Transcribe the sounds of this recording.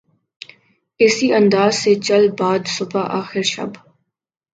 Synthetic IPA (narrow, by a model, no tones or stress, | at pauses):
ɪsiə̃nd̪aːzset͡ʃɐlbaːd̪sʊbaʔaːxɪɾʃɐ̰b